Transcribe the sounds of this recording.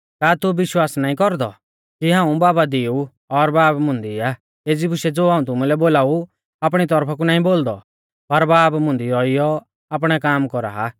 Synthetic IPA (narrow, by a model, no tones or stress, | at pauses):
kaːt̪ʊbɪʃwaːsnaːĩkɔɾd̪ɔ̰ | kiɦãːũbaːbad̪iu | ɔɾbaːpmʊ̃nd̪ia | eːd͡zibʊʃɛd͡zoːɦaːũt̪̬ʊmulɛboːlaːu | aːp̬ɽ̃it̪ɔɾpʰak̬unaːĩboːld̪ɔ̰ | pɐɾbaːpmʊ̃nd̪iɔɪjɔ | ap̬ɽ̃ɛkaːmkɔɾa̰ːɦa